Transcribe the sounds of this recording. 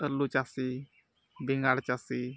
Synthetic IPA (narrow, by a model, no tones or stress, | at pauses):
əlut͡ʃasi | biŋaɾt͡ʃasi